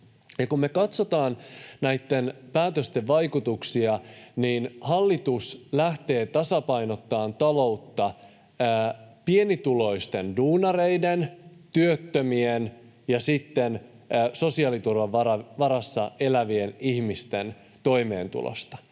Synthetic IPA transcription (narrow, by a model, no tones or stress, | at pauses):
jɑkummːe̞kɑt̪so̞t̪ɑːnnæjt̪ːe̞npæːt̪øst̪eʋʋɑjkut̪uksiɑniːnhɑlːit̪uslæht̪e̞ːt̪ɑsɑpɑjno̞t̪ːɑːnt̪ɑlo̞ut̪ːɑː | pie̞nit̪ulo̞ist̪e̞nduːnɑrejdent̪yøt̪ːømien | jɑsit̪ːenː | so̞siɑːlit̪urʋɑʋʋɑɾɑʋɑɾɑsːɑ̰e̞læʋienihmist̪e̞n | t̪o̞ime̞̰ːnt̪ṵlo̰st̪ɑ̥